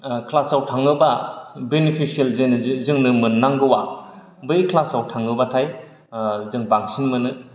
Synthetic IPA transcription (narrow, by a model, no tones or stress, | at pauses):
kʰlasawtʰaŋɡɯbabenipʰisielzenzɯŋnɯmɯnːaŋɡɯwa | bɯkʰlasawtʰaŋɡɯbatʰaj | zɯŋbaŋsinmɯnɯ